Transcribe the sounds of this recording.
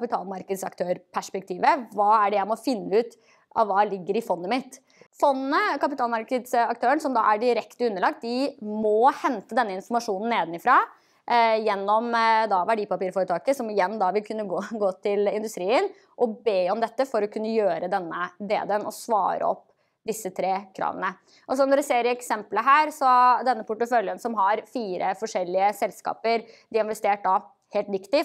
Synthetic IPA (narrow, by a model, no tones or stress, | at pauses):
kɑpɪt̪ʰɑ̰ːlmɑɾkəd̪sɑ̰kt̪ʰøːɾpʰæʂpɛk̚t̪ʰiːʋəʋɑːæɖɛjæɪmɔfɪnːəʉːt̪ | ʔɑ̰ʋːɑːlɪɡːəɾɪfɔnːəmɪt̪ | fɔnːnəkɑpɪt̪ʰɑːlmɑɾkəd̪sɑk̚t̪ʰøːəɳsɔmd̪ɑ̰ːʔæɖɪɾɛkt̪əʉnːəɭɑk̚t̪̚d̪ɪmɔhɛnt̪əd̪ɛnːəɪnfɔɾmɑʂuːnn̩ːeːd̪nɪfɾɑː | jɛnːɔmd̪ɑʋæɖiːpɑpiːɾfoːɾət̪ʰɑːkəsɔmɪjɛnːd̪ɑʋɪlkʰʉnːəɡoːɡoːt̪ʰɪlɪnd̪ʉst̪ɾiːən | ʔɔbeːɔmd̪ɛt̪ːəfɔɾɔkʰʉnːəjøːɾəd̪ɛnːəd̪ḛːd̪ənɔsʋɑ̰ːɾə̰ɔ̰pː | d̪ɪsːət̪ʰɾeːkʰɾɑ̰ːʋə̰nə | ʔɔsɔmɔɖʉseːɾɪɛksɛmpləɦæːɾsɔd̪ɛnːəpʰʊʈːəfœljənsɔmɦɑɾfiːɾʔəfɔʂɛlːɪəsɛlskɑ̰ːpəɾd̪ɪɪnʋɛst̪eːʈ̚d̪ɑ | heːlt̪ʋɪkt̪ɪ